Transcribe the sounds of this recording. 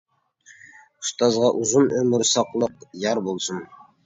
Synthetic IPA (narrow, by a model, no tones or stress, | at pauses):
ʊst̪ɑzʁɑʔuzunɵmɪɾsɑqlˠəqjɑɾbolˠsən